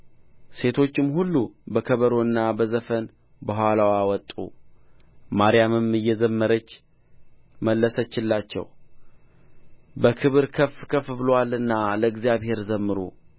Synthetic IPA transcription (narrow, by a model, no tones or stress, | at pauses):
se̞t̪ʰo̞t͡ʃːɪmhulːubəkʰəβəɾo̞ɨnːabəzəfən | bəɦʷalawawɔt̪ʼːṵ | maɾijamɨmɨjːɛzəmːəɾət͡ʃː | məlːəsət͡ʃːɪlːat͡ʃːɛ̰w | bəkʰɨβɨɾkʰəfkʰəfbɨlwalɨnːaləɨɡzijaβhe̞ɾzəmːɨɾṵ